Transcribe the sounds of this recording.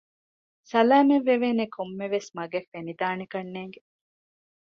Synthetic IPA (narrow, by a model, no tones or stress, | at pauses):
sɐlæːmeʋːeʋeːnekʰomːeʋesmɐɡefːenid̪aːnikɐnːeːŋɡe